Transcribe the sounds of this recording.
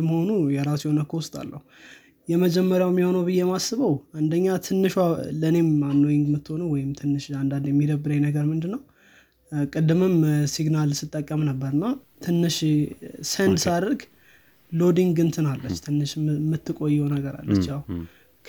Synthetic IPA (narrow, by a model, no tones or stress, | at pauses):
məho̞nujɛɾasjho̞nəkʰəwʊst̪ʼa̰lːəhu | jɛməd͡ʒɛmːəɾjawɛmːiho̞nəwbɨjːemasːɨβəwand̪əɲːat̪ʰɨnːɨʃwaləne̞manːojɪŋɡmːɨt̪ːɨho̞nəwɔjɪmt̪ʰɨnːɨʃand̪and̪jɛmːid̪əbːɨɾəɲnəɡəɾmɨnd̪ɨnːəw | kʼɨd̪ːɨmɨmsiɡnalsɨt̪ʼːəkʼːəmnəbːəɾɨnːa | t̪ʰɨnːɨʃ | sənd̪saɾəɡ | lo̞d̪iŋɡɡɨnt̪ʰɨnalːət͡ʃːt̪ʰɨnːɨʃmːɨt̪ːɨkʼo̞jːɛwnəɡəɾa̰lːə̰t͡ʃːja | k